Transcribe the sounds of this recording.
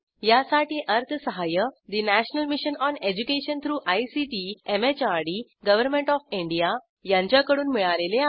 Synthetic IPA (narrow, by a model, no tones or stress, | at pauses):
jasaʈiːʔəɾt̪ʰəsəɦajəd̪inæɕnəlmiɕənɔned͡ʑukeɕənt̪ʰɾuːʔajsiʈiemet͡ɕaɾɖiɡəʋəɾmẽɳʈɔfĩɳɖija | jãɲt͡ɕjakəɽuːnmiɭalelea